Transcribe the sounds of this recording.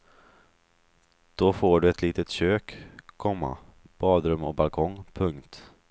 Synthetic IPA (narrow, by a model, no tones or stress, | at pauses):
d̪̥ofoːɖɵɛt̪liːt̪ət̪ɕøːkkʰɔmːa̰ | b̥ɑːd̪ɾɵmɔbalkʰɔŋpʰɵŋkt̪